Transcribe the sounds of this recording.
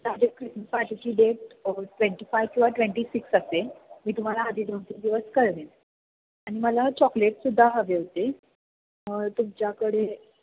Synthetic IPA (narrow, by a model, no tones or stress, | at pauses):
t̪ad͡ʑekɾisməpaʈit͡ɕiːɖeʈ̚ʈʋẽɳʈiːfajʋkĩʋaʈʋẽɳʈiːsiksəsemiːt̪um̤alaːd̪ʱiːd̪ʱoɳt̪ind̪iʋəskəɾʋe | aɽ̃iməlat͡ɕɔkleʈsud̪ʱːaɦəʋeɦot̪e | məɡt̪umt͡ɕjakəɽe